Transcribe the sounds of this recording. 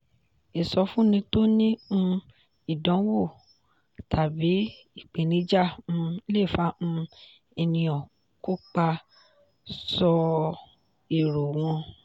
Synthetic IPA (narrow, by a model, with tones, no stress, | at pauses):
e˨sɔ˧fũ˦nĩ˧to˦nĩ˦ũ˧ | i˦˨dɔ̃˨˦wo˦˨ | tʰa˨bi˨˦ | i˦˨k͡pe˨nĩ˧˦d͡ʒa˦˨ũ˧˦le˦˨fa˨˦ũ˧ | ɛ˧nĩ˧ɔ̃˨ | ko˦k͡pa˧ | sɔ˧ | e˨ɾo˨w̃ɔ̃˧